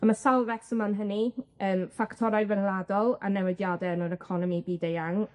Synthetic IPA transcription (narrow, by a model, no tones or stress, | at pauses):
amasalˠvɛksəmanɦəniənfaktʰɔɾajvɛnlˠadɔlˠa̰nɛwɛdjadɛnɔɾɛkʰɔnɔmibiːdejaŋ